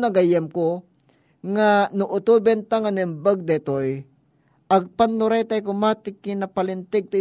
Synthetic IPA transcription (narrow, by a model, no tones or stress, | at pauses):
nɐɡɐjɐmko | ŋanʊʔʊt̪uːbɛnt̪aŋɐnɛmbaɡ̚d̪ɛt̪oj | ʔɐɡ̚panːʊɾajt̪ɐjkʊmat̪ɪkɪnɐpɐlɪnt̪ɛɡ̚t̪ɐ